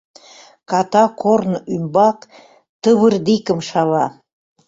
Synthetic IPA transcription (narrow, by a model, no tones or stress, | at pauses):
kɑt̪ɑkʰornymbɑk | t̪əβərd̪ikə̆mʃɑβɑ